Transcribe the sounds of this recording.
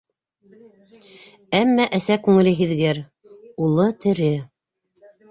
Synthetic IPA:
æmːæʔæsækʉŋɘ̆lɘɦiðɡæɾ | ulˠɤt̪ʰɘ̆ɾɘ

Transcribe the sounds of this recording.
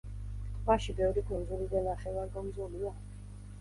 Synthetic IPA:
kʼvaʃibɛvɾikʰunzulid̪anaχɛvaɾɡɔmzulia

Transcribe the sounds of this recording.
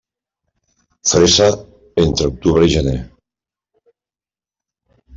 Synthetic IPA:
fɾesa | ent̪ɾeok̚t̪uβɾeiʒene

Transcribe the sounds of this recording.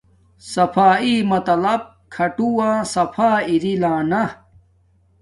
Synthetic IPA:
sɐfʰaːiːmɐt̪ɐlɐb̚kʰɐʈuwãːsɐfʰaːiɾilãːnɐ

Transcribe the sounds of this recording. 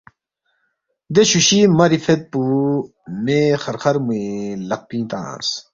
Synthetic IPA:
d̪eɕuɕimɐɾifet̪̚pu | mexɐɾxɐɾmuelɐq̚pĩːt̪ã̰ːns

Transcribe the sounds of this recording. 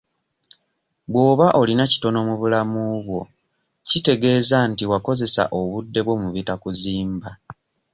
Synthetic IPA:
bwo̞ːβaʔo̞linaci̥to̞no̞muβulamuβwo̞ | cite̞ɡe̞ːzantiwako̞ze̞sa̰ʔo̞βudːe̞βwo̞muβitakuziːmba

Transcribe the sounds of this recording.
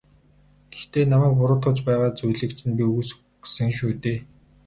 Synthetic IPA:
ɡ̥ext̪eːnamæːk̚pʊɾʊːt̪χə̆t͡ɕpæːʁaːt͡sujɮɘ̆kt͡ɕʰɘ̆npʲius | ɡsɘ̆ŋʃ̬uːt̪eː

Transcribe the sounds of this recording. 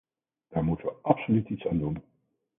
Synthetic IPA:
d̥aːɹmutəʋəʔɑpsolytitsaːndun

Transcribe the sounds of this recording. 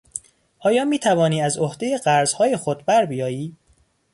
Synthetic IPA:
ʔɒːjɒːmiːt̪ʰævɒːniːæzohd̪ejeɢæɾz̥hɒːjexod̪̚bæɾbijɒːjiː

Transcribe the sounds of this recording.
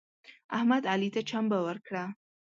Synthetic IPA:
ahmad̪aːlit̪ʰɐt͡ʃʰambɐwɐɾkʰɾa

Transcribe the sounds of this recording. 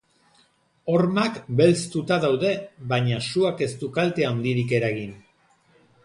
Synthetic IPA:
o̞ɾmakbe̞lst̪ut̪aðawðe̞βaɲasuake̞st̪ukalt̪e̞and̪iɾike̞ɾaɣin

